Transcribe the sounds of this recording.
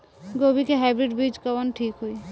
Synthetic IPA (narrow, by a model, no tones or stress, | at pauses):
ɡobikeɦɛbɾiʈbid͡ʒkəʋənʈʰiːkɦoi